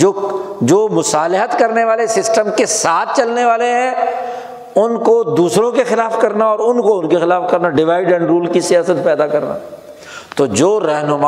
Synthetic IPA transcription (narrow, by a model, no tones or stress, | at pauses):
d͡ʒoːd͡ʒoːmʊsaːlɪɦət̪kɐɾneʋaːlesɪsʈəmkesaːt̪̚ʰt͡ʃɐlneʋaːleɦɛ̃ | ʊnkod̪uːsɾõkexɪlaːfkɐɾnaɔːɾʊnkoʊnkexɪlaːfkɐɾnaɖɪʋaːɪɖɛ̃ɳɖɾuːlkisijaːsət̪̚pɛːd̪akɐɾna̰ː | t̪od͡ʒoːɾɛɦnʊmaː